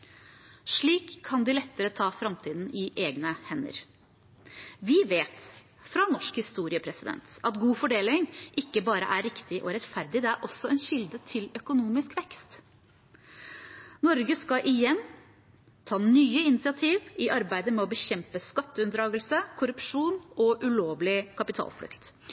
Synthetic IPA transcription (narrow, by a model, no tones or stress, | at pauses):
ʂɭiːkʰːɑnd̪ɪlɛt̪ːəɾət̪ʰɑːfɾɑmt̪ʰiːd̪n̩ɪʔeːɡnəhɛnːə̰ɾ | ʋɪʋeːt̪ | fɾɑnɔʂkhɪst̪uːɾɪəpʰɾɛsɪd̪ɛ̰nt̪ʔɑt̪ɡuːfɔɖeːlɪŋʔɪkːəbɑːɾə̰ʔæɾɪkt̪ɪʔɔɾɛt̪fæɾd̪ɪd̪ɛæɾʔɔsːɔɛnɕɪld̪ət̪ʰɪlœkʊnuːmɪskʋɛkst̪ | nɔɾɡəskɑʔɪjɛnː | t̪ʰɑːnyːəɪnɪsɪɑt̪ʰiːʋɪʔɑɾbæɪd̪əmɛɔbəçɛmpəskɑt̪ːəʉnd̪ɾɑːɡəlsəkʰʊɾʉpʂuːnɔʔʉloːʋlɪkʰɑpɪt̪ʰɑ̰ːlpʰlʏ̰kt̪